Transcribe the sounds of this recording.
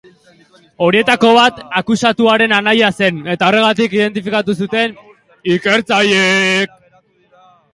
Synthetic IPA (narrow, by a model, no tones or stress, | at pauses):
o̞ɾie̞t̪ako̞β̞at̪akusat̪uaɾe̞nanajase̞ne̞t̪ao̞re̞ɣ̞at̪ikiðe̞nt̪̬ifikat̪us̬ut̪e̞n | ike̞ɾt͡sajek̚